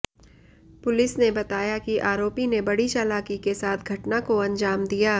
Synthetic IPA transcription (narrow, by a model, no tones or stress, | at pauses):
pʊlɪsnebɐt̪aːjakiʔaːɾoːpinebɐɽit͡ʃaːlaːkikesaːt̪ʰɡʱɐʈnakoɐ̃ɲd͡ʒaːmd̪ijaː